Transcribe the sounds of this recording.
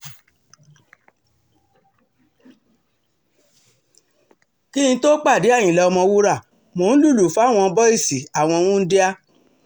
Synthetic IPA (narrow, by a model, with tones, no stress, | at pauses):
ki˦ĩ˧to˦k͡pa˦˨di˨˦a˦˨j̃ĩ˨lɛ˧ɔ˧mɔ̃˧wu˦ɾa˦˨ | mo˨˦n̩˦lu˦˨lu˨fa˨˦˨w̃ɔ̃˧bɔ˦i˦˨si˨a˨w̃ɔ̃˧w̃ũ˦n̩˦de˦a˧